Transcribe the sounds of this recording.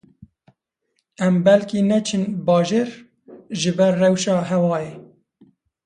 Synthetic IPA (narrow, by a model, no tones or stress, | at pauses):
ɛmbɛlkinɛt͡ʃʰɨnbɑːʒeːɾ | ʒɨbɛrːɛwʃɑːɦɛwɑːjeː